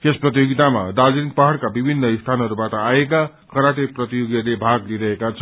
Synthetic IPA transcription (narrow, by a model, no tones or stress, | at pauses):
kesprʌt̪̬ijoɡit̪ama̰d̪ad͡zinik̚pʌɦʌɽkabibʱinːʌist̪ʰanɦʌɾubaʈʌaeka | kʰʌɾaʈeprʌt̪ijoɡjʌrlebʱaɡliɾʌɦekat͡sʰʌ